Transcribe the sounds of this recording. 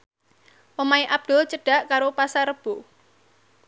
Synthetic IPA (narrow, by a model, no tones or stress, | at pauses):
ʔomaiʔab̚d̪̥ʊlt͡ʃəɖ̥a̤ʔkaɾopasaɾəb̥o